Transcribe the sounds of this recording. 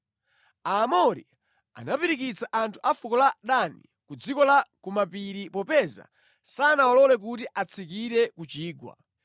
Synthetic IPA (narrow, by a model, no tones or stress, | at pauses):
amɔɾḭ | a̰napiɾik̬it͡saʔantʰu̥ʔafukɔlaɗanḭ | kud͡zikɔlakumapiɾipɔpɛza̰ | sanawɔlɔlɛk̬utiʔat͡sʰikiɾɛkut͡ʃiːɡwa̰